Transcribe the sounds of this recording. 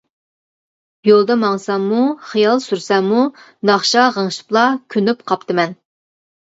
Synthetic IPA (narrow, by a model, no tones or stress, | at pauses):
jolˠd̪ɑmɑŋsɑmːuχijɑlˠsyɾsɛmːu | nɑχʃɑʁəŋʃɨ̥plˠɑkʲʰynypqʰɑp̚t̪ʰɨmɛn